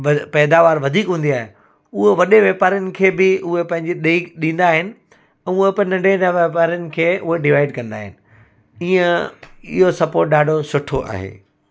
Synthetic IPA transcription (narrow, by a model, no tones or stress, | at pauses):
ɐpɛːd̪aːʋaːɾʋɐd̪ʱiːkɦũːnd̪iaːɦe | ʊɦeʋɐɗeʋeːpaːɾjʊnɪ̆kʰeːbɪʊɦepɐ̃ɦɪ̃ɲd͡ʑiɗeiɗĩːn̆d̪aːɦɪnɪ̆ | ɛ̃ːʊɦepɐ̃nɐ̃ɖenaʋeːpaːɾijənɪ̆kʰeːʔʊɦeɖɪʋaːɪɖkɐ̃nd̪a̰ːɦɪ̰nɪ̆ | iːə̃ɪ̰ɦosɐpoːɾʈ̚ɗaːɖʱosʊʈʰoʔa̰ːɦḛː